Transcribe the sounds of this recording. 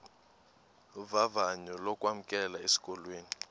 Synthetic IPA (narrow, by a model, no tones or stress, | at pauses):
vavaɲɔlɔkʼwam̩kʼɛlaesi̥kʼɔlweːni